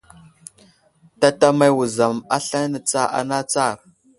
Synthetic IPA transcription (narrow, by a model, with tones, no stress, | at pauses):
ta˦ta˦ma˦˨wu˨za˨ma˦ɬa˦nə˨t͡sa˦ʔa̰˨na˦t͡sa˦˨ɾ